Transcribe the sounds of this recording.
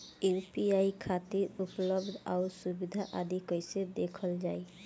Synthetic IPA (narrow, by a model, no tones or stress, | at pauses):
eɾpiajkʰat̪iɾupɔlɔbd̪awsubid̪ʱaʔad̪ikojsed̪ekʰɔld͡ʒaj